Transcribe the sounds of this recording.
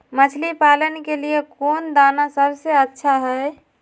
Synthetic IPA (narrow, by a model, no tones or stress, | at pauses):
mət͡ʃʰlipalənkeliekond̪anasəbseətːʃʰaɦɛe